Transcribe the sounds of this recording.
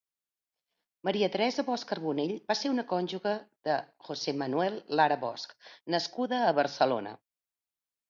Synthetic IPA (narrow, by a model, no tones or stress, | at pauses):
məɾiət̪ɾɛzəβɔskərβuneʎbaseunəkɔnʲʒuɣəðəʝ̥osɛmənuɛlˠːaɾəβɔ̰sknəskuðəːβərsəlo̰nə̰